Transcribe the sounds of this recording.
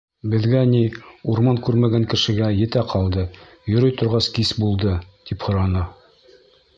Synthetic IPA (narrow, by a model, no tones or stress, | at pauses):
bɘ̆ðɡæniuɾmɑŋkʉɾmæɡæŋkɘ̆ʃɘ̆ɡæjɘ̆t̪æqʰɑlˠd̪ɤ | jŏɾɤjt̪ŏɾʁɑskisbulˠd̪ɤt̪iphŏɾɑnɑ